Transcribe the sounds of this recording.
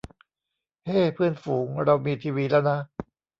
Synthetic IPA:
heː˥˩pʰɯ˥˩ənfuː˩˦ŋɾa˧wmiː˧t̪ʰiː˧wiː˧lɛ˦˥˩wna˦˥

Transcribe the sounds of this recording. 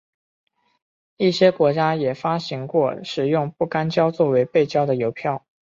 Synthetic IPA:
i˥˩ɕjɛ˥kwɔ˧˥t͡ɕja˥jɛ˨˩fa˥ɕi˧˥ŋkwɔ˥˩ʂɻ̩˨˩jʊ˥˧ŋpu˥˩ka˥nt͡ɕjɑ˥ʊt͡swɔ˥˩we˧˥ɪpe˥˩ɪt͡ɕjɑ˥ʊd̪ə˨jo˧˥ʊpʰjɑ˥˩ʊ

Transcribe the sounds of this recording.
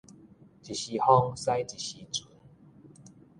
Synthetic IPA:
t͡ɕi˨ɕi˧˩hɔ˦ŋsa˦jt͡ɕi˨˩ɕi˧t͡su˨˦n

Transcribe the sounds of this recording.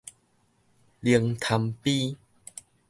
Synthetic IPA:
li˧əŋt̪ʰa˧mpi˦

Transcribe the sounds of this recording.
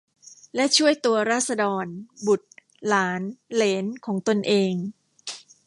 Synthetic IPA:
lɛ˦˥ʔt͡ɕʰu˥˩əjt̪u˧ɐɾaː˥˩t̪̚sa˧dɔː˧nbu˨˩t̪̚ | laː˩˦nleː˩˦nkʰɔː˩˦ŋt̪o˧nʔeː˧ŋ

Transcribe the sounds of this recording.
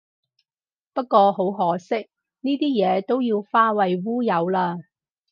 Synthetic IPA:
pɐ˥t̚kʷɔː˧ho˨˥wɦɔː˨˥sɪ˥k̚ | niː˥t̪iː˥jɛː˨˧t̪o˥wjiː˧wfaː˥wɐ˨jwuː˥jɐ˨˧wlaː˧

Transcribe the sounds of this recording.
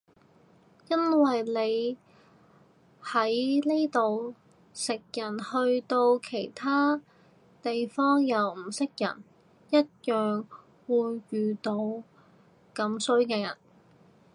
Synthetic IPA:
jɐ˥nwɐ˨jle˨˧j | hɐ˨˥jli˥t̪o˨w | sɪ˨k̚jɐ˨˩nhɵ˧ɥt̪o˧wkʰe˨˩jt̪ʰaː˥ | t̪e˨jfɔː˥ŋjɐ˨˧wm̩˨˩sɪ˥k̚jɐ̰˨˩n | jɐ˥t̚jœː˨ŋ | wuː˨˧jːyː˨˩t̪o˧w | kɐ˨˥msɵ˥ɥkɛː˧jɐ̰˨˩n

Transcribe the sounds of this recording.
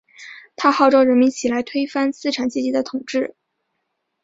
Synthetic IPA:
t̪ʰa˥xɑ˥˧ʊʈ͡ʂɔ˥ʊɻə˧˥nmi˧˥nt͡ɕʰi˨˩la˧˥ɪt̪ʰwe˥ɪfa˥nsɹ̩˥˩ʈ͡ʂʰa˨˩nt͡ɕi˥t͡ɕi˧˥d̪ə˧t̪ʰʊ˨˩ŋʈ͡ʂɻ̩˥˩

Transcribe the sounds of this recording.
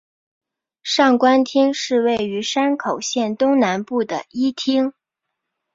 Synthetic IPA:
ʂɑ˥˩ŋkwa˥nt̪ʰi˥ŋʂɻ̩˥˧we˥˩ɪy˧˥ʂa˥nkʰo˨˩ʊɕjɛ˥˩nt̪ʊ˥ŋna˧˥npu˥˩d̪ə̰˩i˥t̪ʰi˥ŋ

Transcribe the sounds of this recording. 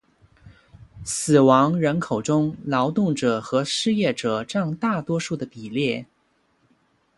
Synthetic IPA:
sɹ̩˨˩wɑ˧˥ŋɻə˧˥nkʰo˨˩ʊʈ͡ʂʊ˥ŋlɑ˧˥ʊt̪ʊ˥˩ŋʈ͡ʂɤ˨˩xɤ˧˥ʂɻ̩˥˧jɛ˥˩ʈ͡ʂɤ˨˩ʈ͡ʂɑ˥˧ŋt̪a˥˩t̪wɔ˥ʂu˥˩d̪ə˩pi˨˩ljɛ˥˩

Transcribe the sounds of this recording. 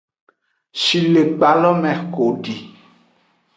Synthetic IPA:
ʃi˨le˨k͡pa˨lɔ˦mɛ̃˨ko˨ɖi˨

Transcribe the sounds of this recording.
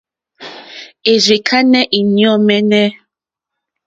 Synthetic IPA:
e˨ɾi˨kʰa˦nɛ˦ʔi˨ɲjɔ˦˨mɛ˦nɛ˦

